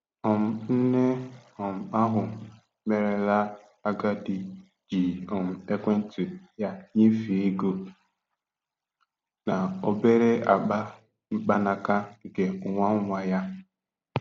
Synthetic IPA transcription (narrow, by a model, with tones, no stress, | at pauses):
ɔ˨m̩˨n̩˦ne˦ɔ˨m̩˨a˦ɦʊ˨ | me˨ɾe˨la˦ | a˦ɡa˦di˨ | d͡ʒi˨ɔ˨m̩˨e˦kʷe˦n̩˦tu˨ja˦ɲi˦fi˨i˦ɡo˨ | na˨o˦be˦ɾe˦a˨k͡pa˦ | ŋ͡m̩˦k͡pa˦na˨ka˦˨ɡe˨ʊ˨ŋʷa˦ŋ̩˦ŋʷa˦ja˦